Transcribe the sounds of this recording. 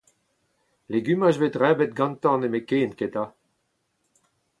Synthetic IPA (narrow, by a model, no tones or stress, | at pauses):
leɡymaʃvet̪ʁɛːbɛt̪̚ɡɑ̃nt̪ɑ̃nemekeːnket̪a